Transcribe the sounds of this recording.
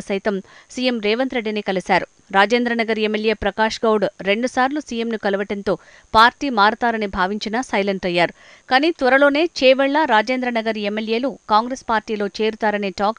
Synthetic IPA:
sɐjt̪ɐmsijemɾɛːʋɐnt̪ɾe̞ɖːiniːkɐlisaːɾu | ɾaːd͡ʒeːnd̪ɾɐnɐɡɐɾemːelje̞ːpɾɐkaːʂɡɐwɽɾe̞ɳɖusaːɾlusiːjemnukɐluʋɐʈɐnt̪o̞ː | paːɾʈiːmaːɾut̪aːɾɐnibʱaːʋiɲt͡ʃinɐsɐjlɐɳʈɐjːaːɾu | kaːniːt̪ʋɐɾɐlo̞ːne̞ːt͡ʃɛːʋɛɭːɐɾaːd͡ʒeːnd̪ɾɐnɐɡɐɾemːelje̞ːlukaːŋɡɾespaːɾʈiːlo̞ːt͡ʃe̞ːɾut̪aːɾɐneːʈaːk

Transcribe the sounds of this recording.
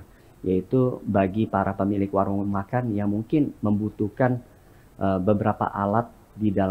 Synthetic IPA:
jait̪ubaɡipaɾʔapəmilɪkwaɾuŋmakanjaŋmuŋkɪnməmbut̪ukan | ʔəbəbəɾapa̰ʔalat̪̚ | didal

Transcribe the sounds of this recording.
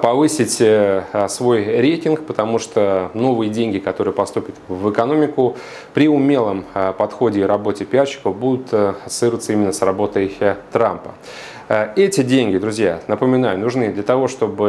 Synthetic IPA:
pɐvɨsʲɪtʲ | svo̞jɾʲejtʲɪnkpət̪ɐmuʂt̪ono̞vɨjədʲenʲɡʲɪkɐt̪o̞ɾɨjəpɐst̪upʲɪt̪vɨkɐno̞mʲɪkʊ | pɾʲɪʊmʲelˠəmpɐt̪xo̞dʲɪɾɐbo̞tʲɪpʲaɕːɪ̥kəvbud̪ʊt̪sɨɾət̪səimʲɪnːəsrɐbo̞t̪əjt̪ɾampə̥ | ɛtʲɪdʲenʲɡʲɪd̪ɾʊzʲjanəpəmʲɪnajʊnʊʐnɨd̪lʲət̪ɐvo̞ʂt̪o̞bɨ

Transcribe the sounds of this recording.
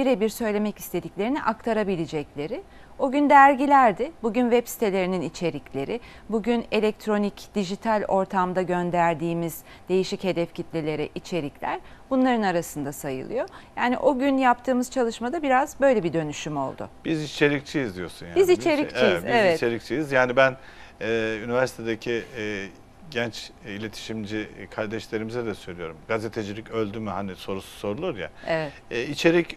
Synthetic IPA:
biɾebiɾsø̞jlʲe̞mɛci̥st̪ʰe̞d̪iclʲe̞ɾiniʔak̚t̪ʰaɾabilʲed͡ʒɛclʲe̞ɾɪ | o̞ɟynd̪æɾɟilʲæɾd̪ɪbuɟynvɛpsi̥t̪ʰe̞lʲe̞ɾininit͡ʃʰe̞ɾiclʲe̞ɾɪ | buɟyne̞lʲɛc̚t̪ʰɾo̞nicd̪̥iʒit̪ʰalʲo̞ɾt̪ʰamd̪aɟø̞nd̪æɾd̪iːmiz̥ | d̪̥e̞jiʃiche̞d̪ɛfcʰit̪lʲelʲe̞ɾɛʔit͡ʃʰe̞ɾiclʲæ̰ɾbunlˠaɾɯnaɾasɯnd̪asajɯ̰lˠɯ̰jo̞jaːnḭʔo̞ɟynjapt̪ʰɯːmɯz̥t͡ʃʰalˠɯʃmad̪abiɾazbø̞jlʲebid̪ø̞nyʃymo̞̰lˠd̪ʊ̰b̥izit͡ʃʰe̞ɾic̚t͡ʃʰijizd̪ijo̞sunjabizit͡ʃʰeɾicijizevɛit͡ʃʰeɾic̚t͡ʃʰijizjaːnibæn | ɛynivæɾsi̥t̪ʰed̪ecʰi | ɟɛnt͡ʃilʲe̞t̪ʰi̥ʃimd͡ʒikʰaɾd̪ɛʃlʲe̞ɾimizɛd̪ɛsø̞jlʲijo̞ɾumɡazet̪ʰed͡ʒilʲicølʲd̪ymyɦaniso̞ɾusu̥so̞ɾulˠuɾja̰evɛ | it͡ʃʰe̞ɾic

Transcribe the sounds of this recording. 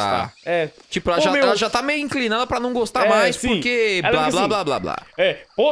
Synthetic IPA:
a̰ɛt͡ʃipʊɛlʒaɛlɐʒat̪amejʊĩŋklinad̪ɐpɾɐnɐ̃w̃ɡost̪amajspoɾkeɛblablalabla̰bla̰ɛpo

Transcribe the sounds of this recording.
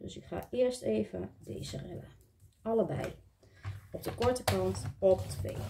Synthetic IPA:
døsɪkχa̰ːʔɪəɹsteːvə̰dḛjzərɪlə | ɑləbɛ̰j | ɔp̚dəkɔɹtəkɑntɔptʰʋḛː

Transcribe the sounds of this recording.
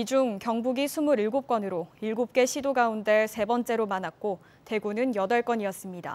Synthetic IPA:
id͡ʑuŋkjʌŋbuɡisʰumuɾiɭɡop̚k͈wʌnɯɾoiɭɡup̚k͈e̞ɕʰidoɡaunde̞sʰe̞bʌnt͡ɕ͈e̞ɾomanak̚k͈o | te̞ɡunɯnjʌdʌɭk͈ʌnɲiʌs͈ɯmɲida̰

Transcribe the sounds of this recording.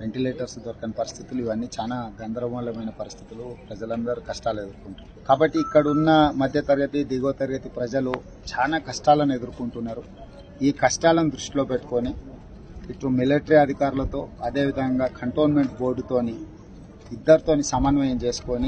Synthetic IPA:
ʋe̞ɳʈileːʈɐɾsd̪ʋɐɾɐkɐnɐpɐɾist̪ʰit̪uluiʋɐnːiːt͡ʃaːnaːɡɐnd̪ɾɐʋɐlɐmɐjnɐpɐɾist̪ʰi̥t̪ulupɾɐd͡ʒɐlɐnd̪ɐɾukɐʂʈaːle̞d̪uɾukuɳʈun | kaːbɐʈːiːkːɐɽunːɐmɐd̪ʱjɐt̪ɐɾɡɐt̪id̪iɡoːt̪ɐɾɡɐt̪ipɾɐd͡ʒɐlu | t͡ʃaːnaːkɐʂʈaːlɐnue̞d̪uɾukuɳʈunːaːɾu | iːkɐʂʈaːlɐnud̪ɾuʂʈilo̞ːpeʈːu̥ko̞ːni | iʈɾumileʈɐɾiɐd̪ʱikaːɾulɐt̪o̞ːɐd̪e̞ːʋid̪ʱɐŋɡaːkɐɳʈo̞ːnme̞ɳʈbo̞ːɾɖut̪o̞ːni | id̪ːɐɾut̪o̞ːnisɐmɐnʋɐjɐmt͡ʃe̞ːsu̥ko̞ni

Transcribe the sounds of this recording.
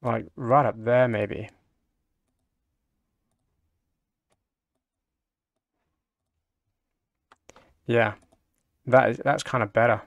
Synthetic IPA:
laɪkɹaɪɾʌp̚ðə˞meɪbḭ | jæ | ðæɾðæ̰tskʰãɪ̃ndəbɛɾə˞

